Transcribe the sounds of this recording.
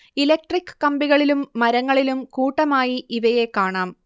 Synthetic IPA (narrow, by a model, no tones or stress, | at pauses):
ilek̚ʈrikːɨ̥kɐmbiɣɐɭilumːɐɾɐŋːɐɭilumkuːʈːɐmaːjiʔiʋɐje̞kːaːɳaːm